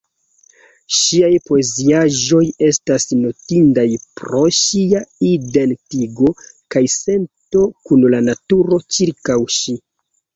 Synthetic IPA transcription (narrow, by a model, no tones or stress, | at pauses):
ʃiajpoeziaʒo̞je̞stasno̞tindajpɾo̞ʃiaide̞ntiɡo̞kajse̞nto̞kunlanatuɾo̞t͡ʃiɾkawʃi